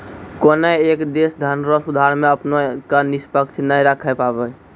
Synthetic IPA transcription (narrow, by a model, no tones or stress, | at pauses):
konəekd̪esd̪ʱənɾɔsud̪ʱaɾmeəpnekanispəkt͡ʃʰnəjɾakʰəpabɛ